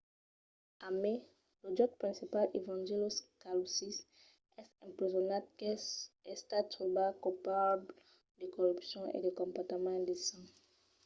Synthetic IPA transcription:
ame | lod͡ʒɔt̪̚pχɛ̃sipalevɑ̃ʒiloskalusis | ɛsɛ̃mpezɔnat̪̚kɛɛst̪at̪ubakupabl | d̪ekɔʁypsjɔ̃ḛd̪ekɔ̃pɔʁt̪emɑ̃d̪esɑ̃

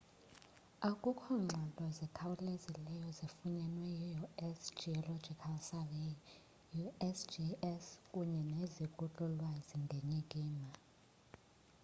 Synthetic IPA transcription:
akʼukʰɔŋ͡ǁʱalɔzɛkʰawulezilɛjɔzifuɲɛnwɛjijuɛsd͡ʒiɔlɔd͡ʒikʰalsave | juɛsd͡ʒiɛskʼuɲɛnezikʼut͡ɬʼulwaziŋɡʱeɲikʼiːma

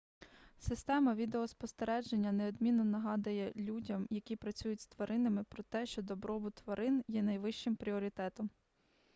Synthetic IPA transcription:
sɪst̪ɛmɐʋʲid̪eɔspɔst̪eɾɛd͡ʒenʲːɐneɔd̪mʲinːɔnɐɦɑd̪ɐjɛlʲudʲɐmjɐkʲipɾɐt͡sʲujʊtʲst̪ʋɐɾɪnɐmɪpɾɔt̪ɛʃt͡ʃɔd̪ɔbɾɔbʊt̪ʋɐɾɪnjɛnɐjʋɪʃt͡ʃɪmpɾʲiɔɾʲit̪ɛt̪ɔm

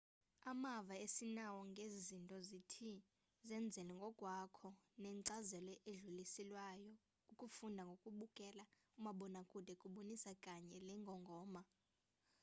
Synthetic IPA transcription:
amavaesinawɔŋɡʱezizintʼɔzitʰi | zɛnd͡zʱɛlɛŋɡʱɔkʼwakʰɔnɛŋǀazɛlɛʔeɮulisilwajɔ | ukʼufundʱaŋɡʱokʼuɓukʼɛla | umaɓɔnakʼud̥ʱɛkʼuɓonisakʼaɲɛlɛŋɡʱɔŋɡʱɔːma

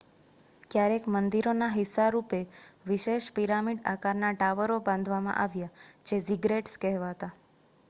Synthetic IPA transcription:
kjaɾekmənd̪iɾonaɦisːaɾupeʋiʃeʃpiɾamiɖakaɾnaʈaʋəɾobãnd̪ʱʋamã̰ʔaʋjad͡ʒesiɡɾeʈskɛɦʋaɦət̪a

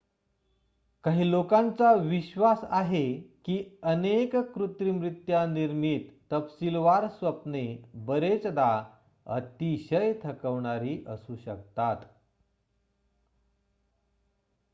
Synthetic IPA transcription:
kaɦiːlokãnt͡saʋiɕʋasaɦekiːənekkɾut̪ɾimɾit̪janiɾmiːt̪ːəpsilʋaɾsʋəpnebəɾet͡sd̪a | ə̰t̪iɕəjt̪ʰəkəʋɳaɾiːʔəsuːɕəkt̪at̪

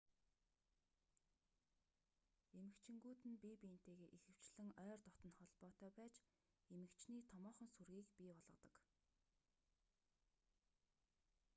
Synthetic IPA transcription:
emɘ̆kt͡ɕʰɪ̆ŋɡuːt̪ɘ̆npipiːn̥t̪eːɣeːʔixɘ̆w̥t͡ɕɮɘ̆ŋœːrt̪ɔt̪ɞ̆nχɔɮpɔːt̪œːpæːt͡ɕ | emɘ̆kt͡ɕʰniːt̪ʰɔmɔːχɞ̆nsurɣiːkpʲiːpɔɮʁɞ̆t̪ɞ̆k

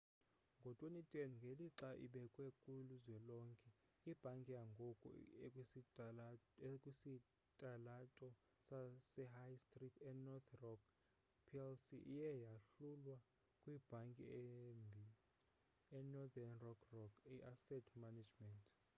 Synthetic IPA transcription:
ŋɡʱɔtʼwenitʼɛnŋɡʱeliǁaʔḭɓɛkʼwɛkʼuluzwɛlɔŋkʼɛ | ib̥ʱaŋkʼijaŋɡʱɔkʼɔ̰e | kʼwisi | tʼalatʼɔ | sasɛɦajstʼritʰɛnɔt̪ʰrɔk | pʰiɛlsiʔijɛjaɬulwa | kʼwib̥ʱaŋkʼḭmbʱi | ɛnɔd̪anrɔkʰrɔkʰiʔasɛtʰmanad͡ʒmɛntʼ

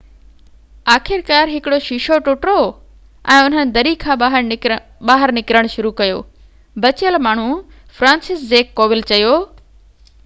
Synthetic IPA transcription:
aːxʰɪɾkaːɾɦɪkɪɽoʃiʃoʈʊʈɾo | ɛ̃ːʊn̤ənɪ̆d̪ɐɾikʰãːaɦəɾ | ɓaːɦəɾnɪkɾəɽ̃ʃʊɾukɐjo̰ː | bɐt͡ɕjəlmaːɳ̤u | fɾãːnsɪszeːkːoːʋɪlt͡ɕɐjoː

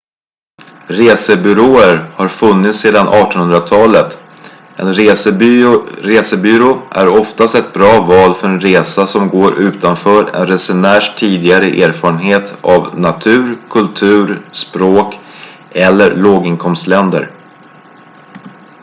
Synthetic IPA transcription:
ɾeːsəbʏɾoːəɾhaɾfɵnːɪt̪seːd̪anʔɑːʈɔnhɵnd̪ɾat̪ʰɑːlət̪ | ɛ̰nɾːsə | ɾeːsəbʏːɾoːʔæ̰ɾɔft̪ast̪ɛt̪̚bɾɑːvɑːlfœɾɛnɾeːsasɔmɡoːɾʔʉ̟ːt̪anfœːɾɛ̰nɾɛsɛnæːʂʈʰiːd̪ɪɡaɾəʔeːɾfɑːɾənɦeːt̪ʰavnat̪ʰʉ̟ːɾkʰɵlt̪ʰʉ̟ːɾspɾoːk | ɛlːəɾɭoːɡɪnkʰɔmst̪lɛnd̪ə̰ɾ

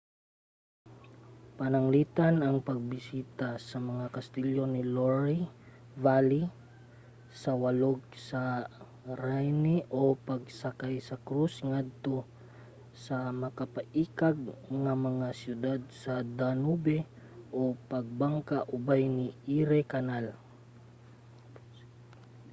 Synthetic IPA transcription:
pɐnɐŋliːt̪anɐŋpɐɡ̚bɪsiːt̪asɐmɐŋakɐst̪iljoniloɹivali | sɐwɐloɡ̚sɐ | ɾajniʔopɐɡ̚sɐkajsɐkɾusŋad̪̚t̪o | sɐmɐkapɐʔiːkaɡ̚ŋɐmɐŋasjʊd̪ad̪̚sɐd̪anubɛ | ʔopɐɡ̚baŋkaʔʊbajniiɾɛkanal

